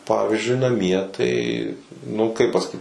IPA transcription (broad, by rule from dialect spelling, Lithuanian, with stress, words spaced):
ˈpɑːʋʲiːzʲd͡ʒʲʊɪ nɐˈmʲiɛ ˈtɐɪ nʊ kɐɪp pɐsɐˈkʲiːt